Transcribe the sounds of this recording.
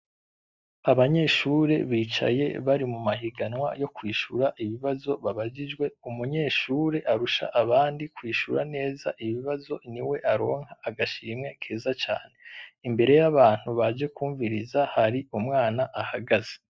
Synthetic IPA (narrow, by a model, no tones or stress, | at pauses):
aβaɲe̞ːʃuɾe̞̰βiːt͡ʃa̰je̞̰βaɾimumaɦiɡanwa̰jo̞kwiːʃuɾaʔiβiβazo̞βaβaɟid͡ʒɡwe̞umuɲe̞ːʃuːɾe̞ʔaɾuʃa̰ʔaβaːndikwiːʃuɾa̰ne̞ːza̰ʔiβiβazo̞niwe̞ʔaɾo̞ːŋhaːɡaʃiːmŋe̞kʰeːzat͡ʃa̰ːne̞imbe̞ɾe̞jaβaːn̥huβad͡ʒe̞kuːɱviɾizahaɾiumŋaːnaʔahaɡaze̥